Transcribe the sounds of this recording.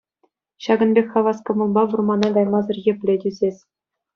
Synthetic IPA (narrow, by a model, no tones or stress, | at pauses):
ɕɑɡɤ̆nbʲexʲɑʋɑskɤ̆mɤ̆lˠbɑʋurmɑnɑɡɑjmɑzɤ̆rjɘ̆pʲlʲetʲyzʲesʲ